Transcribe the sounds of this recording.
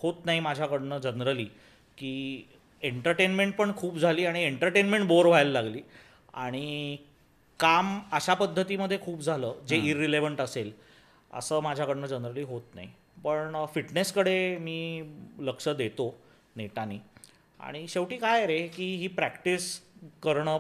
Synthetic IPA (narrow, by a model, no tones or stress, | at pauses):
hot̪naɦimad͡ʑʱjakəɽnəd͡ʑənɾəliː | kiː | eɳʈəɾʈenmeɳʈ̚pəɳkʰuːpd͡zʱaliːaɽ̃ieɳʈəɾʈenmẽɳʈboɾʋ̤ajllaɡliː | a̰ɽ̃i | kaməɕapəd̪ʱːət̪iməd̪ʱːjekʰuːpd͡zʱaləːd͡zeiɾːileʋəɳʈəsel | ə̰səːmad͡ʑʱjakəɽnəd͡ʑənɾəliːɦot̪na̰ɦi | pəɳfiʈneskəɽemiːləkʂəd̪et̪o | neʈaniː | a̰ɽ̃iɕeʋʈiːkajɾekiːɦiːpɾækʈiskəɾɳə